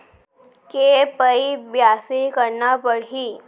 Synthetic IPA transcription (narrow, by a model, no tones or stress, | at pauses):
kepəibjasikəɾɳapəɽɦiː